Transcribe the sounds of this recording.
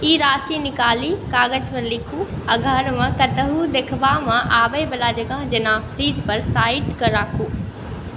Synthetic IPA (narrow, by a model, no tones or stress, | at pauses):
iːɾaːsinɪkaːlikaːɡəd͡ʑpɐɾlɪkʰuɐ̃ɡʱɐɾmãkɐt̪əɦud̪eːkʰʋamãʔaːbəjbɐlad͡ʑɐɡãɦd͡ʑɐnãpʰɾiːzpɐɾsaːɪʈkəɾaːkʰuː